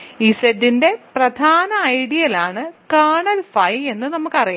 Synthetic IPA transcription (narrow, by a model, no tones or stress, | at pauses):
iːsedːinde̞prɐd̪ʱaːnɐːjɽijɐlaːɳɨkaːɳɐlfɐje̞nːɨnɐmukːɐrijaː